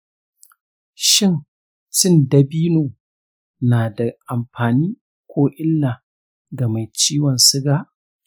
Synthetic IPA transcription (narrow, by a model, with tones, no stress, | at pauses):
ʃɪ˦n | t͡ʃɪ˦˨nda˨biː˦noː˨ | naː˨da˨ʔa˨mɸaː˨niː˦ | kʷoː˦ʔɪ˦lːaː˨ | ɡa˨ma˨jt͡ʃiː˦wɔ˨nsɪ˦ɡaː˦ʔ